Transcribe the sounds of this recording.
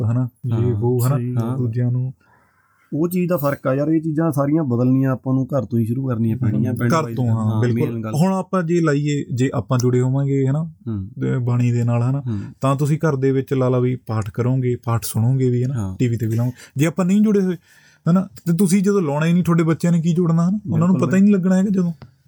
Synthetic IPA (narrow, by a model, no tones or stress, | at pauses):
ɦənaːd͡ʒeːɦoːɦənãːd̪uːd͡ʒɪjãːnũː | oːt͡ʃiːd͡ʒd̪aːpʰəɾkɛːjaːɾeːt͡ʃiːd͡ʒãːsaːɾɪjãːbəd̪əlnijãːaːpãːnũːkəɾt̪õːĩːʃʊɾuːkəɾniːãːkəɾt̪õːɦãːbɪlkʊlɦʊɳ̃aːpãːd͡ʒeːlaːiːeːd͡ʒeːʔaːpãːd͡ʒʊɽeːɦoːʋãːɡeːɦɛnaː | baːɽ̃iːd̪eːnaːlɦənaːt̪ãːt̪̬ʊs̬ĩːkəɾd̪eːʋɪt͡ʃlaːlaːʋiːpaːʈʰkəɾõːɡeːpaːʈʰsʊɽ̃õːɡeːʋiːɦənaʈiːʋiːt̪eːʋiːlãːɡed͡ʒeːaːpãːnə̃ĩːd͡ʒʊɽeːɦoːeː | ɦənaːt̪eːt̪̬ʊsĩːd͡ʒəd̪õːlɔːɽ̃aːiːnĩːt̪ʰoːɽeːbətːʃjãːneːk̬iːd͡ʒʊɽnd̪aːɦənaʊnnãːnũpət̪aːiːniːləɡɳaːɦɛːɡaːd͡ʒəd̪õː